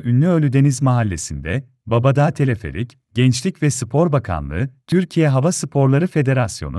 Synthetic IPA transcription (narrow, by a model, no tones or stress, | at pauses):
ynːʲyø̞lʲyd̪e̞nizmaɦalʲːe̞sind̪ɛ | babad̪aːt̪ʰe̞lʲefe̞̰lʲic | ɟ̥ɛnt͡ʃlʲicvɛsɯpʰo̞ɾbakʰa̰nlˠɯ̰t̪ʰyɾcʰijɛɦavasɯpʰo̞ɾlˠaɾɯfe̞d̪e̞ɾasjo̰nu